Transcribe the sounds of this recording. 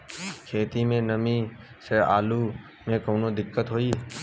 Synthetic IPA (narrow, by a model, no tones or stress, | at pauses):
kʰeːt̪imẽnəmi | sea̰ːlu | mẽkoːnod̪ɪkːət̪ɦoːi